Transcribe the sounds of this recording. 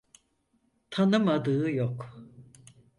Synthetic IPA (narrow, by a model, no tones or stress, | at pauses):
t̪ʰanɯmad̪ɯːɯjok